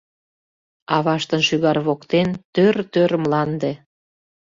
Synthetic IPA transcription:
ɑβɑʃt̪ə̆nʃyɣɑrβokt̪ent̪øɾt̪øɾəmlɑnd̪e

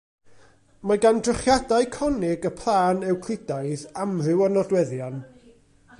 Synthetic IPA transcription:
maɡandrɪχjadaɨkʰɔnɪɡəpʰlˠaːnɛwkʰl̥ɪdajðamrɪwɔnɔdwɛðjan

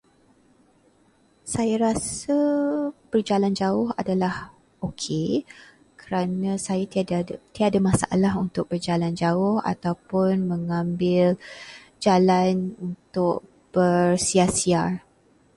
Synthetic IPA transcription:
sajaɾasəb̥ərd͡ʒaland͡ʒaʊhadalah | okʰe | kʰəɾanãsajat̪iadamãsaʔa̰laɦunt̪ʊk̚b̥ərd͡ʒaland͡ʒaʊha̰t̪awpʊnmə̃ŋãmbɪl | d͡ʒalanunt̪ʊk̚ | b̥ərsiasiar

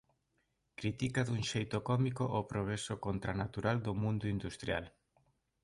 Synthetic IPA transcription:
kɾit̪ikaðuŋʃejt̪okɔmikoʔopɾoɣ̞ɾesokont̪ɾanat̪uɾald̪omũnd̪ʊind̪ust̪ɾja̰l

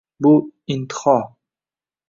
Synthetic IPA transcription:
buint̪χɑ

